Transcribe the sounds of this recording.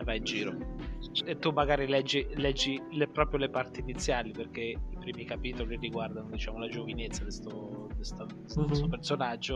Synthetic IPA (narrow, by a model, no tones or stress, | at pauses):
vaind͡ʒiːɾo | et̪ːumːaɡaːɾilɛd͡ʒːilɛd͡ʒːilepɾɔːpɾjolepart̪init̪sːjaːliperkeipɾiːmikapiːt̪oliiriɡward̪anod̪it͡ʃaːmolad͡ʒovinet̪sːad̪est̪od̪est̪od̪d̪suopersonad͡ʒːo